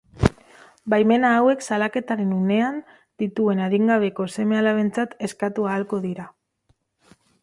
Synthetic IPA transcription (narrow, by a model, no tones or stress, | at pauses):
bajme̞naːwe̞ksalake̞t̪aɾe̞nune̞an | d̪̥it̪ue̞naðiŋɡaβ̞e̞ko̞se̞me̞alaβe̞nt͡sat̪e̞skat̪uaːlko̞ðiɾa